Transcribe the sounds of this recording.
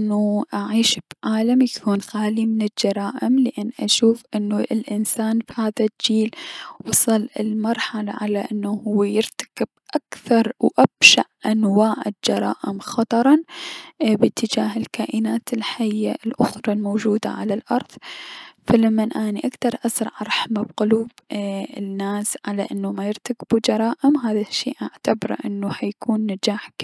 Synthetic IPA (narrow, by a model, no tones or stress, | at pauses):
ʔnːuʔaʕiːʃb̥ʕaːlamjakʰuːnxaːlimɪnɪd͡ʒɑɾˤɑːʔɪmlɪʔanːʔaʃuːfʔɪnːuɪlʔɪnsaːnfihaːðad͡ʒiːlwɑsˤɨlɪ̰lmɑɾˤħala̰ʕalaʔɪnːahʊwːejɪɾt̪ḁkɪb̥̚ʔakθɑɾˤwʔab̥ʃaʔʔanwaːʕɪd͡ʒɑɾˤɑ̰ːʔɪmxɑt̪ˤɑɾˤɑn | bɪt̪ʰːɪd͡ʒaːɦɪlkaːʔɪnaːt̪ɪlħajːa̰lʔʊxɾˤɑlmoːd͡ʒuːd̪a̰ʕalalʔɑɾˤðˤfalamːanʔaːniʔakd̪ɑɾˤʔasɾˤɑ̰ʕɑɾˤħamabqʊluːb | nːaːsʕalaʔɪnːumajɪɾt̪akb̥ud͡ʒɑɾˤɑːʔɪmɦaːðaʃːḭːʔaʕt̪abɑɾˤʔɪnːuhajkʰuːnːad͡ʒaːħ